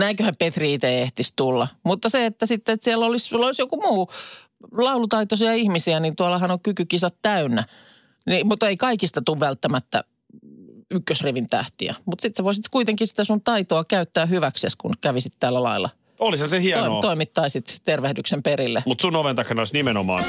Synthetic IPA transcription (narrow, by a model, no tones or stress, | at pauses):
næikøhæmpet̪riit̪eeht̪ist̪ulːɑmut̪ːɑseet̪ːæsit̪ːet̪siɛlːolisulːolisjokumuː | lɑulut̪ɑit̪osiɑihmisiænint̪uɑlɑhɑnoŋkykykisɑt̪t̪æynːæ | nimut̪eikɑikist̪ɑt̪uʋʋælt̪ːæmæt̪ːæ̰ | ykːøsriʋint̪æ̰ht̪ḭæ̰mut̪sit̪seʋoisit̪kuit̪eŋkisi̥t̪æsunt̪ɑit̪oɑkæyt̪ːæːhyʋækseskunkæʋisit̪t̪ælːælɑ̰ilːˑɑ̰ | olishɑnsehiɑoinoːt̪oimit̪ːɑisit̪t̪erʋehdyksemperilːemut̪sunoʋent̪ɑkhenoisnimenomɑ̰ːn